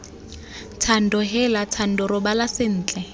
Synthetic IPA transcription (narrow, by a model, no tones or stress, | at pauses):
tʰan̩dɔɦɛlatʰan̩dɔrʊbalasɪn̩ːt͡ɬʼɛ